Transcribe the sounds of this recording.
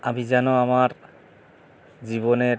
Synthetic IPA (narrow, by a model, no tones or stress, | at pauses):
abizanɔamaɹ | ziβɔnɛ